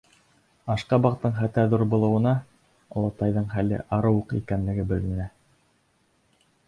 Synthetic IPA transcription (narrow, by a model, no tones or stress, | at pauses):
ɑʃqɑbɑqt̪ːɤɴχæt̪æðuɾbŏlˠɤ̆wɤ̆nɑ | ŏlˠɑt̪ɑjðɤɴχælɘ̰ʔɑɾɤwuqḭkænlɘ̆ɡɘbɘlminæ